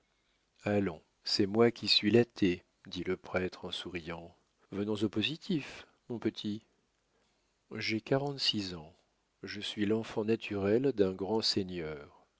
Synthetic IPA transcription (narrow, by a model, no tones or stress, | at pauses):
alɔ̃ | sɛmwakʲisɥilat̪ʰe | d̪iləpχɛt̪χɑ̃suʁijɑ̃ | vənɔ̃zopozit̪ʰif | mɔ̃pət̪ʰi | ʒekaʁɑ̃t̪sizɑ̃ | ʒəsɥilɑ̃fɑ̃nat̪ʰyʁɛld̪ɛ̃ɡʁɑ̃senœːʁ